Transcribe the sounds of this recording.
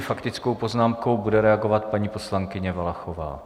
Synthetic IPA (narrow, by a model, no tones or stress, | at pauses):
fakt̪ɪt͡sko̞wpo̞znaːmko̞wbudɛɾɛaɡo̞vat̪̚paɲiːpo̞slaŋkɪɲɛvalaxova̰ː